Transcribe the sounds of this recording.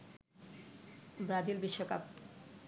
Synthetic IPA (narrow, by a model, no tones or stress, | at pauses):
bɾad͡ʑilbiʃːokap̪̚